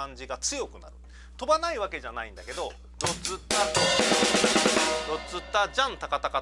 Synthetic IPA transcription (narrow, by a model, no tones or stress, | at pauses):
ãɲ̟d͡ʑiɡat͡sɨjo̞kɯ̟na̰ɾɯ̟ | t̪o̞banaiβake̞ʑanaĩnd̪ake̞d̪o̞ | ɾot͡sɨt̪ːa | ɾo̞t͡sɨt̪ːad͡ʑãnt̪akat̪aka